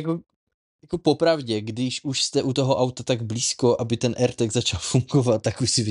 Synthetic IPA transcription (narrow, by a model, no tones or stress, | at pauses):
ako | jako̞po̞pɾavɟɛɡdɪʃʔuʃst̪ɛʔut̪o̞ɦo̞ʔawt̪at̪aɡbliːsko̞ʔabɪt̪ɛnʔɛɾt̪ɛɡzat͡ʃalfuŋɡovat̪̚t̪ːakuʃsɪvɪ